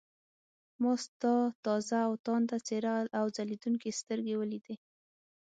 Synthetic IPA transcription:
mɑst̪ɑt̪ɑzaːwt̪ɑnt̪at͡seɾalawzalid̪uŋkest̪əɾɡewəlid̪e

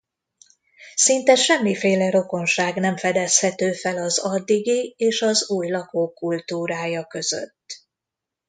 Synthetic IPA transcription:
sint̪ɛʃɛmːifeːlɛɾo̞ko̞nʃaːɡnɛɱfɛd̪ɛshɛt̪øːfɛlɒzɒd̪ːiɡieːʃɒzuːjlɒkoːkːult̪uːɾaːjɒkø̞z̥ø̰t̪ː

